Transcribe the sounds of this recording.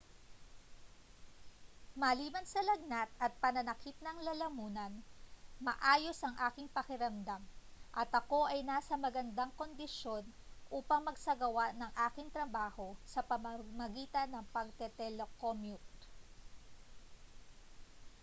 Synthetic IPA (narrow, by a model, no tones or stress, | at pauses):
mɐliːmɐnsɐlɐɡ̚nɐt̪̚ɐt̪̚pɐnɐnɐkit̪̚nɐŋlɐlɐmuːnɐnmɐ̰ʔaːjo̞sʔɐŋʔaːkɪŋpɐkɪɾɐmd̪amʔɐt̪ɐko̞ʔɐjnaːsɐmɐɡɐnd̪aŋko̞nd̪ɪʃo̞n | ʔuːpɐŋmɐɡsɐɡɐwaʔnɐŋʔaːkɪŋt̪ɾɐbaːho̞sɐpɐmɐmɐɡiːt̪ɐnːɐŋpɐɡ̚t̪ɛt̪ɛlokomjut̪̚